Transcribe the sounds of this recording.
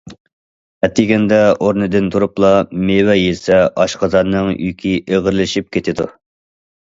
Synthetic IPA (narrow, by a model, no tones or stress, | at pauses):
ɛt̪ʰːɪɡʲɛnd̪ɛʔoɾnɨd̪ɨnt̪ʰuɾuplˠɑmewɛjesɛʔɑʃqɑzɑnːɨŋjy̰kʲʰiʔeʁəɾlɪʃip̚kʲʰet̪ʰɪd̪ṵ